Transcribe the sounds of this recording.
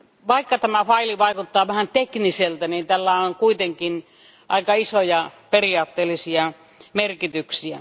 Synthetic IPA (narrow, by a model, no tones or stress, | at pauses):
ʋɑˑikːɑt̪æmæfɑiliʋɑˑikut̪ːɑːʋæhænt̪ekniselt̪ænint̪ælːæoŋkuit̪eŋkin | ʔɑ̰ikɑisojɑperiɑːt̪ːeːlːisiɑ | merkit̪yksiæ̰